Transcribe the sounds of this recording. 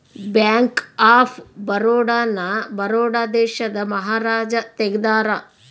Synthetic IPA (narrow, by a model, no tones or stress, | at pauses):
bjaːŋkaːpʰbɐɾoːɽaːnɐbɐɾoːɽaːd̪ɛːʃɐd̪ɐmɐɦaːɾaːd͡ʒɐt̪eɡd̪aːɾɐ